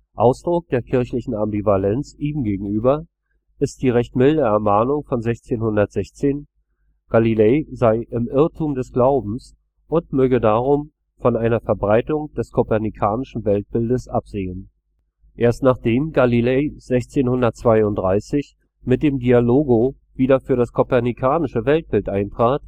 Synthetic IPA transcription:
ʔa̰ʊsd̥ʁʊk̚d̥eːɐkʰɪɐçlɪçn̩ambivalɛnt͡sʔiːmɡeːɡŋ̩ʔyːbɐ | ʔɪst̚d̥iːʁɛçtmɪldəɛɐmaːnʊŋfɔnzɛçt͡seːnhʊndɐtz̥ɛçt͡seːn | ɡ̥alileːzaɪʔɪmʔɪɐtʰuːmdɛsɡ̥laʊbm̩s | ʔʊntmøːɡədaːʁ̞ʊm | fɔnʔaɪnɐfɛɐbʁaɪtʊŋd̥ɛskʰopɛɐnikʰaːnɪʃn̩vɛlt̚b̥ɪldəsʔapz̥eːən | ʔeːɐstnaːχd̥eːmɡalilez̥ɛçt͡seːnhʊndɐt̚t͡sv̥aɪʊntd̥ʁaɪsɪç | mɪt̚d̥eːmdialoːɡo | viːdɐfyːɐɾaskʰopɛɐnikʰaːnɪʃəvɛlt̚b̥ɪltʔaɪntʁ̥aːt

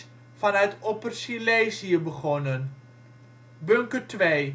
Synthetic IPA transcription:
fɑnœɥtopərsileːsiəbəχɔnən | bøŋkərtʋeː

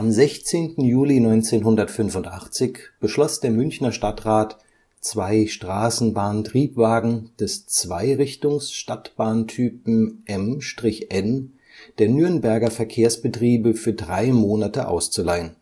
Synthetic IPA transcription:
ʔamzɛçt͡seːntn̩juːlinɔʏnt͡seːnɦʊndɐtfʏnvʊntʔaχt͡sɪçb̥əʃlɔsd̥eːɐmʏnçnɐʃtatʁaːt | t͡sv̥aɪʃtʁ̥aːsn̩baːntʁ̥iːpv̥aːɡŋ̩d̥ɛst͡sv̥aɪʁɪçtʊŋsʃtatb̥aːntʰyːpm̩ʔɛmʃtʁ̥ɪçʔɛn | d̥eːɐnyɐnbɛɐɡɐfɛɐkʰeːɐsb̥ətʁ̥iːbəfyːɐdʁaɪmoːnatəʔa̰ʊst͡sulaɪən

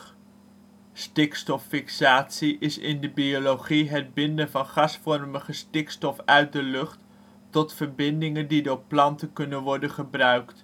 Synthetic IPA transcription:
stɪkstɔfɪksaːtsiʔɪsɪndəbioloχiɦəd̚bɪndənvɑnχɑsfɔrməχəstɪkstɔfœɥt̚dəlɵχt | tɔtfəɹbɪndɪŋəndidoːɹplɑntəkɵnənʋɔɹdənχəbrœɥkt

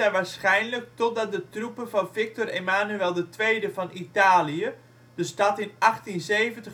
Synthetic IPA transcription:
ɛjʋaːɹsχɛjnlək̚tɔt̚dɑt̚dətrupənvɑnvɪk̚toremaːnyɛlˠdətʋejdəvɑnʔitaːliə | d̥əstɑtɪnʔɑχtinzejvəntəχ

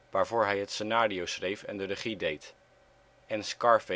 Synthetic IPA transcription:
ʋaːɹvʊːɹɦɛjɦətsənaːɾiowsχrejfɛ̰ndərəχidejt | ɛnskɑɹfe

